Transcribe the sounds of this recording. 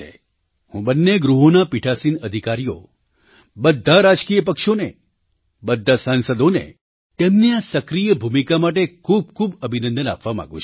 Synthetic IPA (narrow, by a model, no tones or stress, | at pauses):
ḛ | hũbənːeɡɾuɦonapiʈʰasinəd̪ʱikaɾijo̰ | bəd̪ʱːaɾad͡ʒkijəp̬əkʃone | bəd̪ʱːasansəd̪onḛ | t̪emniasəkɾijəbʱumikamaʈ̬ekʰub̚kʰubəbʱinə̃nd̪əna̰pʋamã̰ɡṵ̃t͡ʃʰ